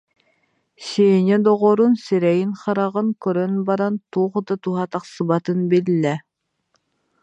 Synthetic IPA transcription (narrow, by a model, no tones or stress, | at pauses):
sinʲɛd̪ɔʁɔɾunsiɾɛjinχaɾaʁɯnkœɾœnbaɾant̪uːχd̪at̪uɦat̪aχsɯbat̪ɯnbilːɛ